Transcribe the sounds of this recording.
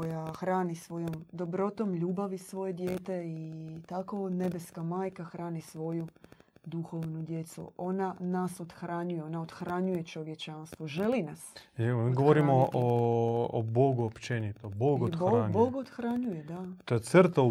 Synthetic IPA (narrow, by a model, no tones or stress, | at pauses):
kojaxɾaːnisʋo̞jo̞md̪o̞bɾo̞t̪o̞mʎuːbaʋisʋo̞je̞d̪jeːt̪e̞it̪ako̞ne̞beskamaːjkaxɾaːnisʋo̞jud̪uxo̞ʋnud̪je̞t̪sṵo̞nanaso̞t̪xɾaɲujeo̞naod̪xɾaɲuje̞t͡ʃo̞ʋje̞t͡ʃanst̪ʋoʒe̞linasiɡoʋoɾimoʔo̰ | boɡuopt͡ʃenit̪oboɡoboaɲboɡod̪xɾaɲujed̪at̪oet̪sr̩t̪au